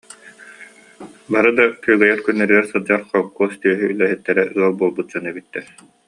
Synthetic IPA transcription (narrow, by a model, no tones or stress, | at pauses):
baɾɯd̪akœjɡɛjɛɾkynːɛɾilɛɾsɯd͡ʑaɾχɔkːuɔst̪yœɦyylɛɦɛt̪ːɛɾɛʔɯɐlˠbuɔlˠbut̪̚d͡ʑɔnɛbit̪ːɛ